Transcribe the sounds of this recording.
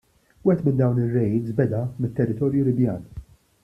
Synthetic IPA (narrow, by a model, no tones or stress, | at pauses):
wɛɛt̪mɪnd̪ɐwnɪrːɛjiːsbɛd̪ɐmɪt̪ːɛrːɪt̪ɔːɾjulɪbjɐ̰ːn